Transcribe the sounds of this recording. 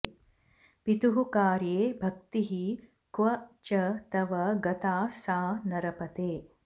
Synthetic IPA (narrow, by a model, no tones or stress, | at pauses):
pit̪uɦukaːɾjeːbʱɐk̚t̪iɦi | kʋɐt͡ʃɐt̪ɐʋɐɡɐt̪aːsaːnɐɾɐpɐt̪eː